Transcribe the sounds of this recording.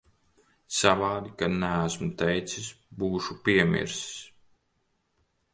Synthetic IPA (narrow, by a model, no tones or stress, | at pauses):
savaːd̪ikanææsmut̪ɛjt̪sisbuːʃupiɛmʲḭɾss